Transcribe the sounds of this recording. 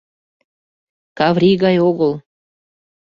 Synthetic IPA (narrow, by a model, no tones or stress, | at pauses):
kɑvɾʲiɣɑjoɣəlˠ